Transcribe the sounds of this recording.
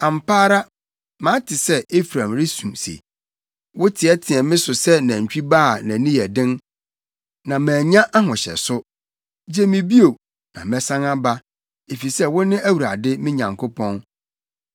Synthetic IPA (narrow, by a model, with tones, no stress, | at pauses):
ã˨m˨paː˦ɾa˦ | mã˨˦tʰɪ˨sɛ˦e˦fɾã˨mɾɪ˦sũ˨msḛ˨ | wʊ˦tʰɪ˨ɛ˦tʰɪ̃˨ɛ˨mɪ̃˦sʊ˨sɛ˦nã˨ɲ̩˨t͡ɕᶣi˦baː˦˨nã˨nĩ˦jɛ˨dɪ̃˦n | nã˨mæ̃ː˨ɲã˦ʔa˦ɦɔ̃˨ɕɛ̰˨sʊ˦ | d͡ʑe˦mɪ̃˨bi˦o˨ | nã˨mɛ̃˨sã˦ŋa˦ba˦ | e˨fi˨sɛ˦wʊ˦nɪ̃˦æ˦wu˨ɾa˨dɪ˦mɪ̃˦ɲã˨ŋkʰʊ˦pʰɔ̃˦n